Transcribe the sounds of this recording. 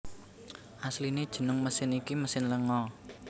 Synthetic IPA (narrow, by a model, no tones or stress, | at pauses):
ʔaslined̥ʒ̥ə̤nʊŋməsɪnikiməsɪnləŋɔ